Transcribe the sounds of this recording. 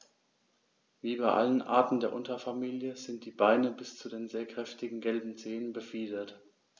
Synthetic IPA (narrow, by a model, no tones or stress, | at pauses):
viːbaɪʔa̰lənʔa̰ːɐtn̩deːɐʔʊntɐfamiːljəzɪnt̚d̥iːbaɪnəbɪst͡sudeːnzeːɐkʁ̥ɛftɪɡŋ̩ɡɛlbm̩zeːənbəfiːdɐt